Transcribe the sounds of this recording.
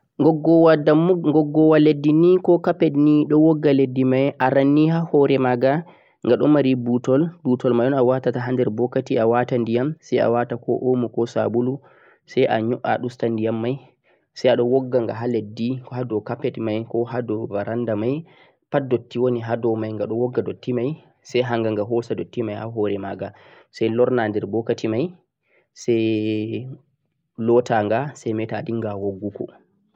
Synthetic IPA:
ɡɔɡɔwadaɡɔɡːɔwaledːinikɔkapɛtniɗɔwɔɡːaledːimajʔaɾanːihahɔɾɛmaɡa | ŋɡaɗɔ̰maɾibutɔlbutɔlmajɔnawatataɦandɛɾbɔkːatiawatandijamsaja̰watakɔ̰ʔomukɔsa̰bulu | sajʔa̰ɲɔʔa̰ɗustandijamːaj | sajaɗɔwɔɡːaŋɡaɦaledːikɔhadɔkapːetmajkɔɦadɔvaɾʔandamaj | padotːiwoniɦadɔmajŋɡaɗɔwɔɡːadotːimaj | sɛjɦaŋɡaŋɡaɦɔsadotːimajhaɦɔɾɛmaɡa | sajlɔɾnandɛɾbɔkatimaj | sɛj | lɔtaŋɡasajmɛtadiŋɡawoɡːukɔ̰

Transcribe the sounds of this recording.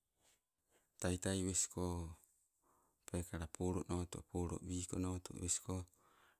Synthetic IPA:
tajtajβesi̥ko | pekaɾapʰoɾoʔnot̪uʔpoɾo̰ʔbiːkonoːt̪ṵβesi̥ko

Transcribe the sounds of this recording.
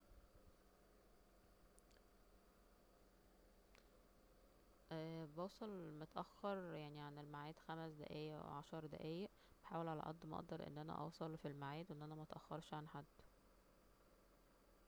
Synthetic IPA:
ʔæbɑwsˤɑlmot̪ʔæxːɑɾˤjaʕniʕanelmaʕaiːd̪xæmsd̪æ̰ʔæ̰ːjæʔwḛʕɑʃɑɾˤd̪æ̰ʔæːjæʔ | b̥eħaːwelʕalæ̰ʔɑ̰d̪ːmʔɑ̰ʔd̪ɑɾˤʔḛnːʔænæ̰ʔɑ̰wsˤɑlfilmaʕiːd̪wʔenːʔænæmæʔɑt̪ʔæxːɑɾˤʃʕanħad̪ː

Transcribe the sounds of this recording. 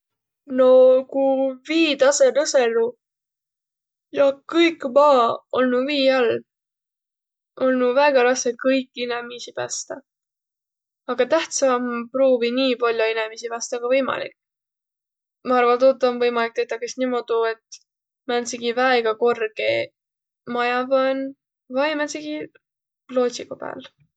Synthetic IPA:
no̞kuviːt̪ɑselɤse̞lu | jɑkɤjkːmɑːolnuviːɑl | o̞lnuvæɡ̥ɑɾɑsekɤjkːˑinemisipæ̰st̪ɑ | ɑɡ̥ɑt̪æht̪sɑmpɾoːviniːpɑlʲjo̞inemisipæst̪ɑɡ̥ɑvɤjmɑ̰lḭkː | mɑɑrvɑnt̪ot̪ːˑonvɤjmɑlik̚t̪ejt̪ːɑkesnimo̞d̪̥ue̞t̪ | mænsiɡivæeɡ̥ɑko̞rɡ̥e | mɑjɑvɑn | vɑjmænsiɡ̥i | plo̞ːt̪sikopæ̰ːl

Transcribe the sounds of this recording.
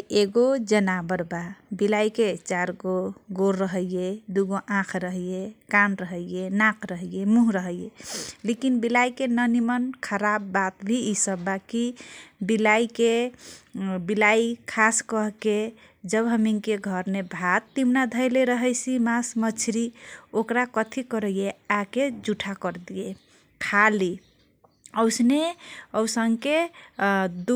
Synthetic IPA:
eɡod͡ʒənabəɾbabilajket͡ʃaɾɡoɡoɾəɦəijed̪uɡoʔãkʰɾəɦjekanɾəɦəjjenãkʰɾəɦəjemuɦɾəɦəjjelekinbilajkenənimənkʰəɾabːat̪bʱiisəbbakibilajke | bilajkʰaskəɦke | d͡ʒəbɦəmiŋkeɡʱəɾnebʱat̪ːimnad̪ʱəjleɾəɦəjsʰimasmət͡ʃʰɾiokɾakət̪ʰikəɾəjeaked͡ʒuʈʰakəɾd̪ie | kʰali | əwsneəwsəŋke | d̪

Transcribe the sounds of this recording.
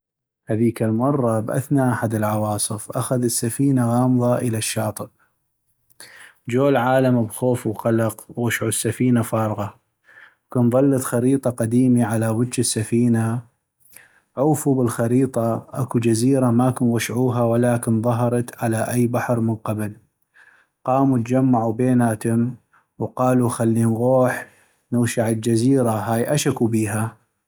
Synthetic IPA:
haðiːkalmɑrˤːɑbʔa̰θnaʔaħad̪ɪlʕɑwɑːsˤɨfʔaxaðɪsːafiːnaɣɑːmðˤɑʔəlaʃːɑːt̪ˤɨb | d͡ʒoːlʕaːlambxoːfwqɑlɑqwwaʃʕusːafiːnafɑːɾˤɣɑ | kʊnðˤɑlːɑt̪xaɾiːt̪ˤɑqad̪iːmiʕalawɪd̪d͡ʒɪsːafiːna | ʕuːfubəlxaɾiːt̪ˤɑʔa̰kud͡ʒaziːɾamakʊnwaʃʕuːɦawalaːkɪnðˤɑɦɑɾˤɑt̪ʕalaʔajːbaħɾmənqabl | qɑːmut̪d͡ʒamːaʕubeːnaʔat̪amː | wqɑːluxalːinɣuːħ | nʊwʃaʕəld͡ʒaziːɾaɦaːjʔaʃakubiːɦa

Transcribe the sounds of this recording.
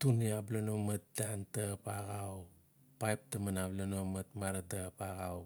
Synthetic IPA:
tuniablanomat̚dantapaɡaw | pajp̚tamanablanomɐtmaɾadapaɡaw

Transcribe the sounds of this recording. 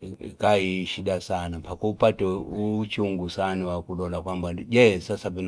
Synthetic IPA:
kaiʃiɗasanampakuupatɛut͡ʃuŋɡusaniwakulɔlakwambaɟɛsasavin

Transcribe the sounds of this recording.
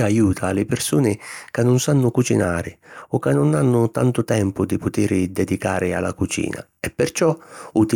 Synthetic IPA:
ajuːt̪ʰalɪpɪrsuːnɪkanːʊnsanːʊkut͡ʃina̰ːɾɪ̰ɔkːanːʊnanːʊt̪ant̪ʊt̪ɛmpʊd̪ɪpʊt̪ɪɾɪd̪ɛd̪ikaːɾɪa̰lːa̰kut͡ʃḭːna̰ | ɛpːɪrt͡ʃɔut̪i

